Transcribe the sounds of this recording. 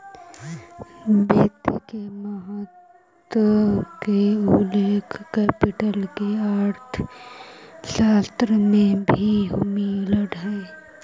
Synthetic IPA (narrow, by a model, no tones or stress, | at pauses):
beːt̪ikeməɦət̪ | wəkeuleːkʰkɛːpɪʈəlkeaːɾt̪ʰ | ʃaːst̪ɾəmẽbʱiɦʊmiləɽɦɛː